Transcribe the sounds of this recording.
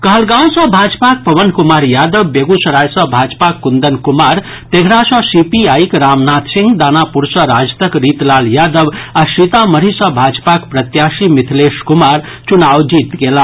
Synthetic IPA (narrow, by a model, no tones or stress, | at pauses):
kʌɦəlɡãw̃sʌ̃bʱad͡ʒpak̚pʌbənkumaɾjad̪əbːeɡusɐɾajsʌbʱad͡zpakːund̪ənkumaɾ | t̪eɡʱɾasʌ̃sipiajkɾamnat̪siŋɡd̪anapuɾsʌɾad͡zt̪əkɾit̪laljad̪əbasit̪aməɾisʌ̃bʱad͡ʒpakpɾət̪jasimit̪ʰleskumaɾ | t͡ʃunawd͡ʒit̪ɡela